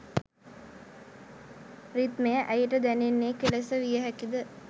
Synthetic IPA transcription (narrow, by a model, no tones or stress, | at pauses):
rit̪mejəʔæjəʈəd̪ænenːeːkelesəʋijəɦækid̪ə